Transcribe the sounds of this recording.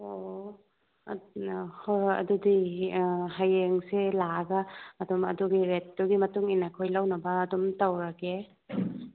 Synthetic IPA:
o | hɐ̰dudi | hajeŋselaɐɡɐɐdɔmɐ̰duɡiɾet̚ːuɡimɐtuŋinakʰojlawnɐbɐːdɔmtawɾɐke

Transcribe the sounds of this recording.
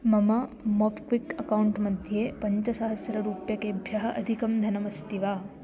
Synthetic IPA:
mɐmɐmoːpkʋikɐkɐwuɳʈmɐd̪ʱjeːpɐɲt͡ʃɐsɐɦɐsjɐɾɐɾuːpjɐkeːbʱjɐɦɐʔɐd̪ʱikɐmd̪ʱɐnɐmɐst̪iʋaː

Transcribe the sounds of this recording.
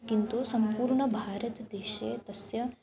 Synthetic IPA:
kint̪usɐmpuːɾɳɐbʱaːɾɐt̪d̪eːʃḛːt̪ɐsjɐ

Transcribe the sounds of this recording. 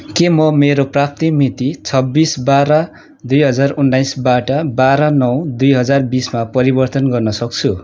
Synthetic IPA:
kemʌmeɾoprap̚t̪imit̪it͡sʰʌbːisbaɾʌ | d̪ujɦʌd͡zarunːajsbaʈʌbaɾanʌwd̪ujɦʌd͡zarbismapʌɾibʌrt̪ʌnɡʌrnʌsʌk̚t͡sʰu

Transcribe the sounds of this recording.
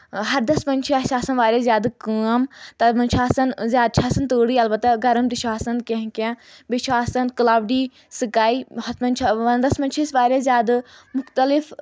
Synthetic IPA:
ɦɐɾd̪ɐspɐnʲt͡ʃʰiaʃaːsɐnʋaːɾʲezjaːd̪ɨkəmt̪ɐmɐnt͡ʃʰaːsɐnzʲjaːd̪̚t͡ʃʰaːsɐnt̪oːɽiːɐlbɐt̪ːaɡɐɾəmd̪ɪʃaːsɐnkẽɦkãːʋɪʃʋaːsɐnkɐlaːʋʈiː | sikaːiːhɐspɐnʲt͡ʃʰɐnd̪ɐspɐnt͡ʃʰisʋaːɾʲezjaːd̪mʊxt̪ɐlif

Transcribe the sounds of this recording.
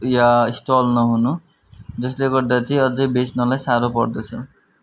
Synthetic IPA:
jaisʈolnʌɦunu | d͡zʌsleɡʌrd̪at͡sʌĩʌd͡zʌjbesnʌlajsaɾopʌrd̪ʌt͡sʰʌ

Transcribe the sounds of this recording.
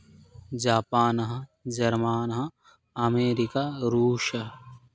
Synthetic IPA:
d͡ʒaːpaːnɐɦɐd͡ʒɐɾmaːnɐɦɐ̃ | ɐmeːɾikaɾuːʃɐ

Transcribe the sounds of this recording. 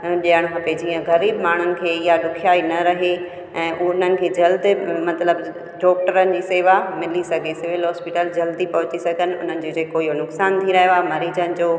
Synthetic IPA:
ɗijəɽ̃kɐped͡ʑiːə̃ɣɐɾiːbmaːɳ̤ʊnɪ̆kʰeːɪjaɗ̪ʊkʰijaːinɐɾɐɦe | ɛ̃ːʔʊn̤ənɪ̆kʰeːd͡ʑɐld̪ɪmɐt̪ləb | ɖɔːkʈəɾənɪ̆d͡ʑiːseːʋamɪlisɐɡʱesɪʋɪlɦɔːspɪʈəld͡ʑɐld̪ipɐɦʊt͡ɕisɐɡʱənɪ̆ʊ̰n̤ənɪ̆d͡ʑoːd͡ʑeːkoːiɦonʊksaːnt̪ʰiɾɐɦjoaːmɐɾiːd͡ʑənɪ̆d͡ʑoː

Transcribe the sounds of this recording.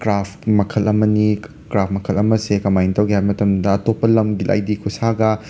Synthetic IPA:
kɾaptmɐkʰɐlɐmɐni | kɾap̚ʰmɐkʰɐlɐmɐsekɐmajntɐwɡihajmɐtɐmdɐːtopːɐlɐmɡilʔa̰jdikʰusaɡɐ

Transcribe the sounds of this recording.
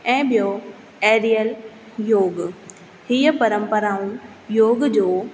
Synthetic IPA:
ɛ̃ːɓijo | eːɾijəl | joːɡ | hiəpɐɾə̃mpəɾaːũ | joːɡd͡ʑoː

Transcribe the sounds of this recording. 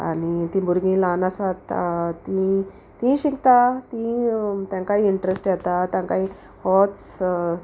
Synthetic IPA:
a̰nit̪ĩbuɾɡĩːlanasat̪ːĩ | t̪ĩɕikt̪at̪ĩt̪jãkaɦiiɳʈɾesʈjɛt̪at̪jãkaĩ | hɔtt͡s

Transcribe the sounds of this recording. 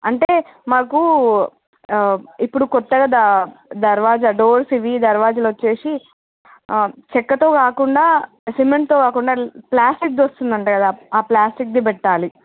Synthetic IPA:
ɐɳʈeːmaːku | ipːuɽukɔt̪ːɐɡaːd̪ad̪ɐɾʋaːd͡ʒɐɖoːɾsiʋid̪ɐɾʋaːd͡ʒɐlʋɐt͡ʃːe̞ːsi | t͡ʃɛkːɐt̪o̞ːkaːkuɳɖaː | simeɳʈ̚t̪oːkaːkuɳɖaːplaːsʈik̚d̪ʋɐst̪und̪ɐɳʈaːjkɐd̪aaːplaːsʈik̚d̪ibɛʈːaːli

